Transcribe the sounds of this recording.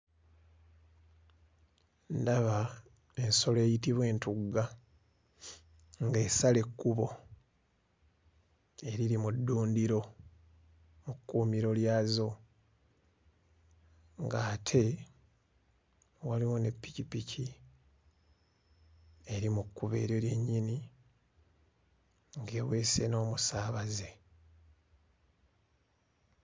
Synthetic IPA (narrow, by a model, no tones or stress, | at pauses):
ndaβa | e̞nso̞le̞ːjitiβwe̞ːntuɡa | ŋɡe̞ːsale̞kːuβo̞ | e̞ɾiɾimudːuːndiɾo̞ | mukːuːmiɾo̞ljaːzo̞ | ŋɡaːtʰe̞ | waliwo̞ne̞pːicipicʰi | e̞ɾimukːuβe̞̰ːɾjo̞lje̞ɲːini | ŋɡeːwe̞ːse̞̰no̞ːmusaːβaze̞